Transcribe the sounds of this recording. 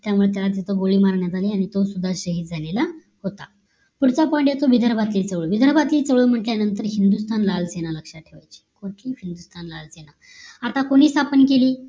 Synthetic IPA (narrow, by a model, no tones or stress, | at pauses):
t̪jamuɭet̪̬jalad͡z̪it̪oɡoɭiːmaɾɳjat̪aliːaɽ̃it̪osud̪ʱːaɕəɦiːt̪̚d͡zʱanela | ɦot̪a | puɾt͡sapɔjɳʈjet̪oʋid̪ʱəɾbʱat̪liːt͡səʋɭuːʋid̪ʱəɾbat̪liːt͡səʋɭuːm̤əʈljanənt̪əɾɦind̪ust̪ʰanlalsenaləkʂaʈʰeʋa̰jt͡ɕi̥ːkoʈ̪iːfind̪ust̪ʰanlalsena̰ | at̪akoɽ̃iːst̪ʰapənkeliː